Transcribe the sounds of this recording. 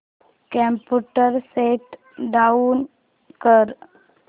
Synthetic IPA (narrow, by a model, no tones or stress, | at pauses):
kə̃mpuʈəɾseʈ | ɖaun | kəɾ